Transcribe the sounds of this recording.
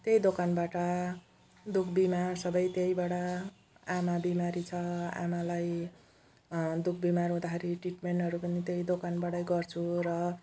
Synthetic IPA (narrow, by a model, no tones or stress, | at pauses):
t̪jejd̪okanbaʈʌ | d̪ukʰbimarsʌbʌjt̪jejbaɽʌ | amabimaɾit͡sʰʌa̰malaj | d̪uk̚ʰbimarɦũd̪akʰeɾiʈriʈmeɳʈʌɾupʌnit̪jejd̪okanbaɽʌjɡʌrt͡sʰuɾʌ